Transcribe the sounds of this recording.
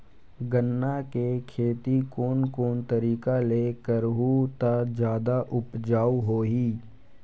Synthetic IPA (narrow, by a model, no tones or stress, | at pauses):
ɡənːakekʰeːt̪ikoːnkoːnt̪əɾiːkaleːkəɾɦut̪ad͡ʒjaːd̪aʔʊpd͡ʒaːɦoːɦiː